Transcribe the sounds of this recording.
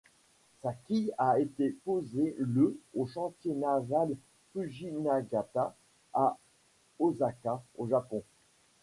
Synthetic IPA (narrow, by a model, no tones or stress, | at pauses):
sakʲijaet̪epozeləoʃɑ̃t̪jenaval | pyʒinaɡat̪a | a | ozakaoʒapɔ̃